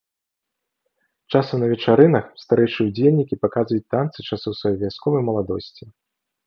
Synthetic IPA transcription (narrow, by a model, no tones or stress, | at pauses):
t͡ʂasɐmnɐvʲɛt͡ʂaɾɨnɐxst̪aɾɛjʂɨud͡zʲelʲnʲikʲipakazvɐjut͡sʲt̪ant̪sɨt͡ʂasuwsvɐjɔjvʲaskɔvɐjmɐlˠad̪ɔ̰sʲt͡sʲi